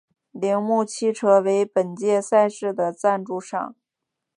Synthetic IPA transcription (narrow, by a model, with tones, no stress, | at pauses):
li˧˥ŋmu˥˧t͡ɕʰi˥ʈ͡ʂʰɤ˧˥we˧˥ɪpə˨˩nt͡ɕjɛ˥˧sa˥˧ɪʂɻ̩˥˩d̪ə˩t͡sa˥˧nʈ͡ʂu˥˧ʂɑ̰˥˩ŋ